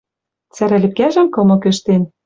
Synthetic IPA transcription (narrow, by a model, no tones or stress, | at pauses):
t͡sæɾælʲɘ̆p̚kæʒɘ̆mkɤ̆mɤ̆kɘ̆ʃt̪en